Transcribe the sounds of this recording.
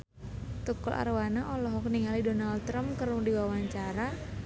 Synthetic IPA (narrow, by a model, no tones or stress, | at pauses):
t̪ukɔlʔa̰rwanaʔɔlɔɦɔkniŋalidɔnalt̪ɾampkərnudiwawaɲt͡ʃaɾa